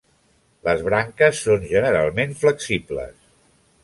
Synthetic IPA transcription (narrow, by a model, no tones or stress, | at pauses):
ləzβɾaŋkəsːonʒənəɾalˠmenfləksiplə̰s